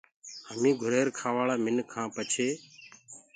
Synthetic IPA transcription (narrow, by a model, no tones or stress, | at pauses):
ɦəmĩːɡʱʊɾeːɾkʰaːʋaːɭaːmɪnkʰãːpət͡ʃʰeː